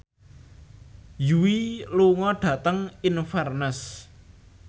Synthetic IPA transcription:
juwiluŋɔɖ̥ä̤t̪əŋinfarnəs

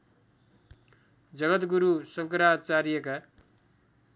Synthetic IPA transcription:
d͡zʌɡʌt̪ɡuɾusʌŋkʌɾat͡saɾijeka

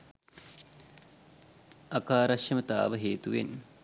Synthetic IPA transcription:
ɐkaːɾɐʃjɐmət̪a̰ːʋəɦeːt̪uʋḛn

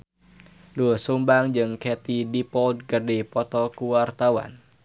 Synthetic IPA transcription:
duəsumbaŋd͡ʒɨŋkɛt̪idipɔld̚ɡərdipɔt̪ɔkuwart̪awa̰n

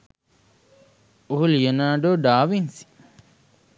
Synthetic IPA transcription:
oɦulijenaːɖoːɖaːʋinsi̥

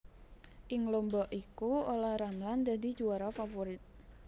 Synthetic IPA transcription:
ʔɪŋlombɔʔikuolaɾamland̪adid͡ʒuaɾɔfafoɾit̪̚

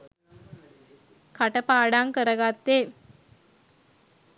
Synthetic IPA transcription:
kaʈəpaːɖaŋkəɾəɡat̪ːe

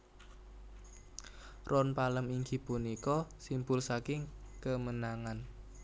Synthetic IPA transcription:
rɔnpaləmiŋɡi̤punikɔsimbʊlsakɪŋkəmənaŋan

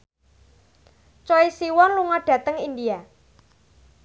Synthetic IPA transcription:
t͡ʃɔisiwɔnluŋaɖ̥ä̤t̪əŋindia

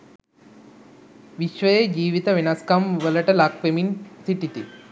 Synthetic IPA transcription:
ʋiʃʋɐjed͡ʒiːʋit̪ɐʋinaskamʋɐlɐʈɐlakʋeminsiʈit̪i

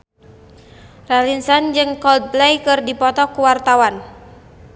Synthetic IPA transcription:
ralinsand͡ʒɨŋkɔld̪̚blɛjkɨrdipɔt̪ɔkuwart̪awan

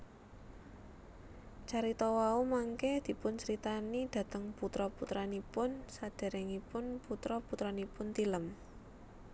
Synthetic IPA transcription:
t͡ʃaɾit̪ɔwaumaŋkɛd̪̥i̤pʊnsɾit̪anid̪̥ä̤t̪əŋput̪ɾɔput̪ɾanipʊnsad̪̥e̤ɾɛŋipʊnput̪ɾɔput̪ɾanipʊnt̪iləm

